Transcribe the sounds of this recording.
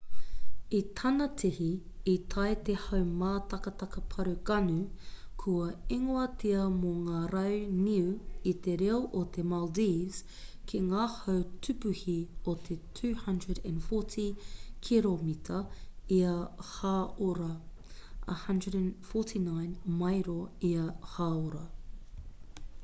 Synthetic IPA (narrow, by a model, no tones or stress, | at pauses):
it̪ʰɐnɐtʰihiː | t̪ʰɐjt̪ehɐwmaːt̪ɐkɐt̪ɐkɐpʰɐɾukɐnʉkʰuɐiŋoɐtʰiɐmoŋaːɾɐwniʉit̪eɾeoʔot̪ʰemaldiz̥ | kʰiŋaːhɐwtʰʉpʉhiot̪ʰetʰʉhɐndɹədæ̃nfotʰikʰiɾomitʰɐiɐhaoɾɐ | əhɐ̃ndɹədɛ̃nfoˑtʰinãjnmɐjɾoiɐhaːoɾɐ